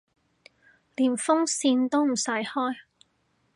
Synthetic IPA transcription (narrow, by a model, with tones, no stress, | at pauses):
liː˨˩nfʊ˥ŋsiː˧nt̪o˥wm̩˨˩sɐ˨˥jhɔː˥j